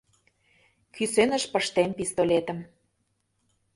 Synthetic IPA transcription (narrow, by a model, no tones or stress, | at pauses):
kʰysenə̆ʃpə̆ʃt̪empist̪olet̪ə̆m